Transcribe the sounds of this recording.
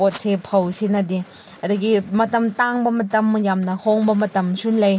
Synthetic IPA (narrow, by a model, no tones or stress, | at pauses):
ot̚sepʰɐwsinɐdi | ɐdɐɡimɐtɐmtaŋbɐmɐtɐmjamnɐhoŋbɐmɐtɐmsulɐj